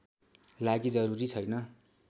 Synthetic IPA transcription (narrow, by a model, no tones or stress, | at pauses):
laɡid͡zʌɾuɾit͡sʰʌjnʌ